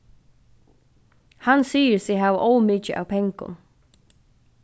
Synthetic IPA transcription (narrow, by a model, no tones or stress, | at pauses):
hansiːɪɾsɪɦavʔowmiːcəʔa̰wpʰɛŋkʊ̰n